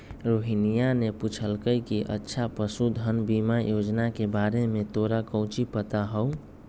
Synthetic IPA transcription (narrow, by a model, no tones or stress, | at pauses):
ɾoɦinijaneput͡ʃʰəlkəjkiʔə̰tːʃʰapəsud̪ʱənbimajod͡ʒnakebaɾemet̪oɾakə̃ʊ̃t͡ʃipət̪aɦəũ